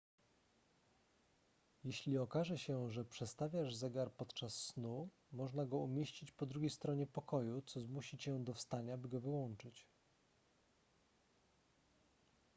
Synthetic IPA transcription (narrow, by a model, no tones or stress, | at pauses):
jeɕlʲiɔkaʐɛɕɛʐɛpʂɛt̪st̪avʲjaʐzɛɡaɾpɔt̪t͡ʂasːnu | mɔʐnaɡɔumʲjeɕt͡ɕit͡ɕpɔd̪ɾuɡʲejst̪ɾɔɲɛpɔkɔjut̪sɔzmuɕit͡ɕɛd̪ɔfst̪aɲabɘɡɔvɘwɔnt͡ʂɘt͡ɕ